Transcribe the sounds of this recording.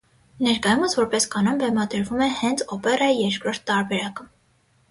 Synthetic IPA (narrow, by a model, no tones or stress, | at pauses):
nɛɾkɑjuməsvɔɾpɛskɑnɔmbɛmɑd̪əɾvumɛhɛnt͡sʰɔpɛrɑijɛɾkɾɔɾt̪ʰːɑɾbɛɾɑkə